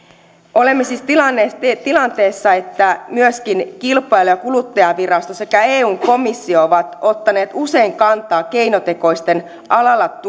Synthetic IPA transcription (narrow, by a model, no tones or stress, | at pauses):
o̞lemːesiːst̪ilɑnːest̪et̪ilɑnt̪e̞ːsːɑe̞t̪ːæmyøskinkilpˑɑjlojɑkulut̪ːɑjɑʋirɑst̪ose̞kæe̞ːuːŋko̞misːiooʋɑt̪o̞t̪ːɑne̞ːt̪use̞iŋkɑnt̪ˑɑːke̞inot̪e̞ko̞ist̪e̞n | ɑlɑlːɑt̪